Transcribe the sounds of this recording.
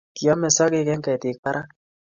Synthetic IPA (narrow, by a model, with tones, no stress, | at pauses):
ki˨ɔ˦mɛ˨sɔ˦kɪ˦kɛ˦ŋkɛ˨tɪ˨k̚pa˦ɾʔa˦